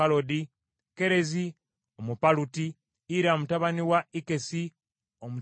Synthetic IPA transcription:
alo̞di | ke̞ɾe̞zi | omupalutiː | ɾaomutaβaniwaike̞si | omu

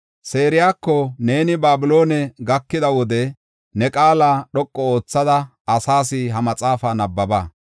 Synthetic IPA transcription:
se̞ːɾɪjaːkːɔne̞ːnɪbaːbʊlo̞ːnɛɡɐkːɪd̪ɐwɔd̪ɛ | nɛkʼaːlaːɗɔkʼːɔo̞ːt͡sːɐd̪ɐ | ɐsaːs̬ɪɦɐmɐt͡sʼaːfaːnɐbːɐbaː

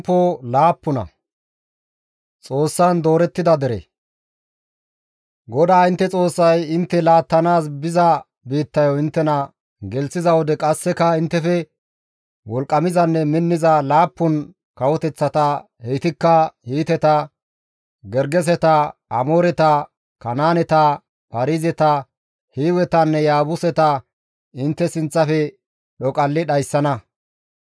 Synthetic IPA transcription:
pːolaːpːʊnɐ̰ | t͡sʼo̞ːsːɐnd̪o̞ːɾɛt̪ːɪd̪ɐd̪ɛɾḛ | ɡɔd̪aːɪnt̪ːɛt͡sʼo̞ːsːɐjɪnt̪ːɛlaːt̪ːɐnaːs̬bɪzɐ | biːt̪ːɐjoɪnt̪ːɛnɐ | ɡɛlsɪzɐwɔd̪ɛkʼɐsːɛkɐɪnt̪ːɛfɛ | wɔlkʼːɐmɪzɐnːɛmɪnːɪzɐlaːpːʊn | kɐwɔt̪ɛt͡sːɐt̪ɐ | hejt̪ɪkːɐhiːt̪ɛt̪ɐ | ɡɛɾɡɛs̬ɛt̪ɐɐmoːɾɛt̪ɐ | kɐnaːnɛt̪ɐ | pɐɾizɛt̪ɐ | hiːwɛt̪ɐnːɛjaːbʊsɛt̪ɐ | ɪnt̪ːɛsɪnt͡sːɐfɛ | ɗɔkʼɐlːɪɗɐjsːɐnɐ

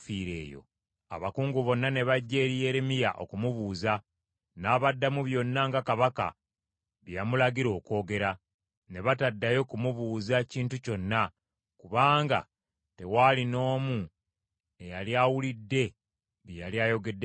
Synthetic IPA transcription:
fiːɾe̞̰ːjo̞̰ | a̰βakuːŋɡuβo̞nːane̞βaɟːe̞ːɾije̞ɾemijaʔo̞̰kumuβuːza | naβadːamuβjo̞nːaŋɡakaβaka̰ | βjamulaɡiɾo̞ːko̞ːɡe̞ɾa | ne̞βatadːajo̞kumuβuːzaciːntuco̞nːa | kuβaːŋɡa̰ | te̞walino̞ːmu | e̞jaljaːwulidːe̞ | βijaljaːjo̞ɡe̞dːe

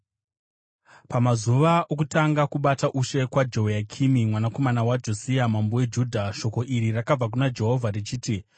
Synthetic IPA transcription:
pamazuʋaʔokutaŋɡakuɓataʔuʃe̞kwad͡ʒo̞ɦjakʰimimwanako̞manawad͡ʒo̞siamambowe̞d͡ʒuːdʱaʃo̞ko̞ʔiɾirakab͡vak̬unad͡ʒe̞ɦo̞vʱarit͡ʃiːti

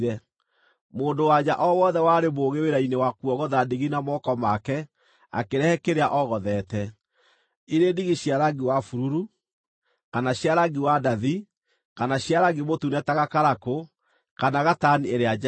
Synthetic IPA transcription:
ɾɛ | moːndowad͡ʒaʔɔwɔðɛwaɾemoːɣeweɾainewakwɔɣɔðadiɣinamɔkɔmakɛ | a̰keɾɛhɛkeɾeaʔɔɣɔðɛtɛ | iɾendiɣiɕjaɾaɡiwafuɾuɾu | kanaɕjaɾaɡiwadaði | kanaɕjaɾaɡimotunɛtaɣakaɾako | kanaɣatanieɾead͡ʒ

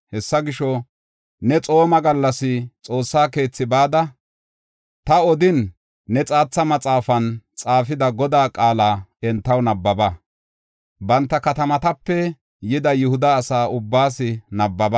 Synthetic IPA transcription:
hɛsːɐɡɪʃɔ | nɛt͡sʼo̞ːmɐɡɐlːɐsɪt͡sʼo̞ːsːaːke̞ːt͡sːɪbaːd̪ɐ | t̪ɐɔd̪ɪnː | ɛt͡sʼaːt͡sːɐmɐt͡sʼaːfɐnt͡sʼaːfɪd̪ɐɡɔd̪aːkʼaːlaːɛnt̪ːɐwnɐbːɐbɐ | bɐnt̪ːɐkɐt̪ɐmɐt̪ɐpːɛ | jɪd̪ɐjʊhʊd̪ɐːsaːʔʊbːaːsɪnɐbːɐbɐ

